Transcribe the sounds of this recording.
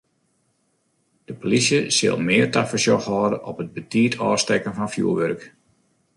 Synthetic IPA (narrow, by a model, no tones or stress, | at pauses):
d̥əpolisjəsɪ̰lˠmɪːərtafəɹsjɔxhɔːdənʔɔpəd̚bətiːətʰɔːstɛkənfɔnfjṵːʋørk